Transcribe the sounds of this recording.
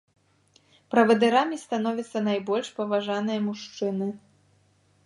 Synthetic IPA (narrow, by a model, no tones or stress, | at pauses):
pɾɐvɐd̪ɨɾamʲist̪an̪ɔvʲit̪sːɐnajbɔlʲʂpɐvaʐanɨjɐmuʂt͡ʂɨnɨ